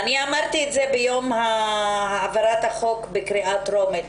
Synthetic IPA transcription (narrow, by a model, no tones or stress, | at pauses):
aniamaʁt̪ietzebejo̞mhaaːvaʁat̪haχo̞kbekʁiʔatʁo̞met